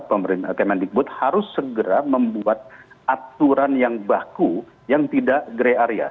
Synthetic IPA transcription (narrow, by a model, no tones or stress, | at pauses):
pəməɾɪnkemandik̚bʊt̪̚haɾʊsːəɡəɾaməmbuat̪̚ | ʔat̪uɾanjaŋbaku | jaŋt̪idaʔɡɾeaɾia̰